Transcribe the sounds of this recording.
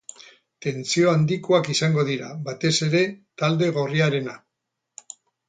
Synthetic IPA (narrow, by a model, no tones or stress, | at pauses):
t̪e̞nt͡sio̞and̪ikoakisaŋɡo̞ðiɾaβat̪e̞se̞ɾe̞t̪ald̪e̞ɣo̞riaɾe̞na